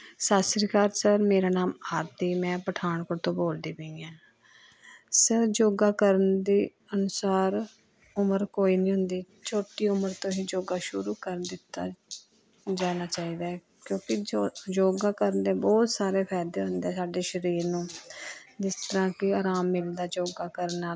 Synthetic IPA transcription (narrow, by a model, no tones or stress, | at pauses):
saːsəɾkaːɾsəɾmeːɾaːnaːmaːɾd̪iːmɛ̃ːpəʈʰaːɳkoɾt̪õːboːld̪iːbeĩːɛ̃ː | səɾd͡ʒoːɡaːkəɾənd̪iː | ənʊsaːɾ | ʊməɾkoːiːnĩːɦʊnd̪iː | t͡ʃʰoːʈiːʊməɾt̪õːɦiːd͡ʒoːɡaːʃʊɾuːkəɾd̪ɪt̪ːa̰ː | d͡ʒaːnaːt͡ʃaːiːd̪aː | kjõːkɪd͡ʒoːɡaːkəɾənd̪eːbɔːt̪saːɾeːpʰɛːd̪eːɦʊ̃nd̪ɛːsaːɖeːʃəɾiːɾnũː | d͡ʒɪst̪əɾãːkɪaːɾaːmːɪld̪aːd͡ʒoːɡaːkəɾənaː